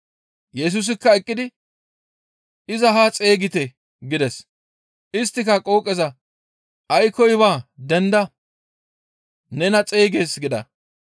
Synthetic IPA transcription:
jɛs̬ʊs̬ɪkːɐɛkʼːɪd̪ɪ | ɪzɐɦɐt͡sʼe̞ːɡɪt̪ɛ | ɡɪd̪ɛs | ʔɪst̪ːɪkɐkʼo̞ːkʼːɛzɐ | ʔɐjkɔjbaːd̪ɛnd̪ɐ | nɛnɐt͡sʼe̞ːɡe̞ːsɡɪd̪ɐ̰

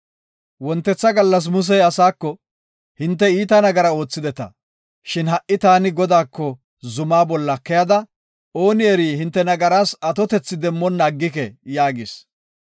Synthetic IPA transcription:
wɔnt̪ːɛt͡sːɐɡɐlːɐs̬mʊs̬ɛjɐsaːkːɔ | hɪnt̪ːɛiːt̪ɐnɐɡɐɾɐo̞ːt͡sːɪd̪ɛt̪ɐ̰ | ʃɪnɦɐʔːɪt̪aːnɪɡɔd̪aːkːɔ | zʊmaːbɔlːɐkːɛjɐd̪ɐ | o̞ːnɪɛɾiːhɪnt̪ːɛnɐɡɐɾaːsɐt̪ɔt̪ɛt͡sːɪd̪ɛmːɔnːaːɡːɪkɛjaːɡɪs

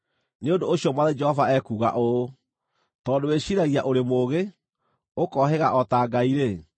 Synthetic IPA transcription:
neondooɕjɔmwaðed͡ʒɛhɔvaɛkuːɣa̰ʔo | tɔːdoweɕiɾaɣiaʔoɾemoːɣe | okɔɦɛɣaʔɔtaːɡaiɾe

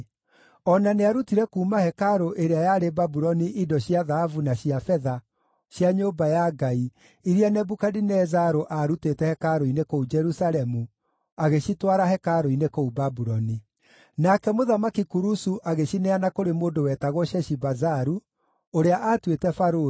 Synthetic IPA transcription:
ɔnaneaɾutiɾɛkuːmahɛkaɾoʔeɾeajaːɾebabuɾɔniʔidɔɕjiaðahavunaɕiafɛða | ɕjaɲoːbajaɡai | iɾianɛbukadinɛzaɾoʔaɾutetɛhɛkaɾoinekoud͡ʒɛɾusalɛmu | aɣeɕitwaɾaɦɛkaɾoinekoubabuɾɔni | nakɛmoðamakikuɾusuʔaɣeɕinɛanakoɾemoːndowɛtaɣwɔʃɛʃibazaɾu | oɾeaʔatwetɛfaɾo

